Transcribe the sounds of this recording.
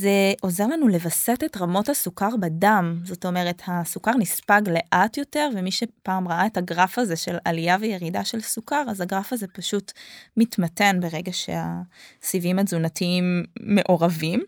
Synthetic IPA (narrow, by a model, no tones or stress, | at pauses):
ze̞ʔo̞zeʁlanule̞vasetetʁamo̞thasukaʁbadamzo̞to̞me̞ʁe̞thasukaʁnispaɡle̞ʔatjo̞te̞ʁvemiʃepaːmʁaʔaetaɡʁafaze̞ʃe̞lalijaveje̞ʁidaʃe̞lsukaʁazaɡʁafazepaʃutmitmate̞nbe̞ʁe̞ɡaʃḛa̰sivimazunatiimːe̞ʔo̞ʁavim